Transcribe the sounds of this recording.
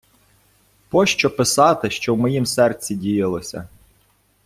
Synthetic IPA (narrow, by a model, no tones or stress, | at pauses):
pɔʃt͡ʃɔpɪsɑt̪ɪʃt͡ʃɔwmɔjimsɛrt͡sʲidʲijɪlˠɔsʲɐ̰